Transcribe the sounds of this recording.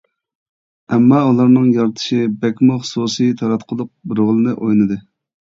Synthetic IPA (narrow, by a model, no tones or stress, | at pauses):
ɛmːɑulˠɑɾnɨŋjɑɾt̪ʰɨ̥ʃibɛkʲmʊχsusɨjt̪ʰɑɾɑt̪qʰəlˠʊq̚bɪɾʁəlˠɨnɨʔojnɨd̪ɨ